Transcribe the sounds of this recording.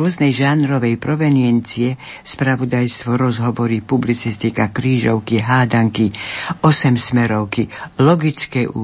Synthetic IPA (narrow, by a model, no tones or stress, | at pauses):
ɔznɛjʒanɾɔʋɛjpɾɔʋɛniɛnt͡siɛ | spɾaʋud̪ajst̪ʋɔɾɔzɦɔʋɔɾipublit͡sist̪ikakɾiːʒɔʊkiɦaːd̪aŋkiɔsɛmsmɛɾɔʊkilɔɡit͡skɛṵː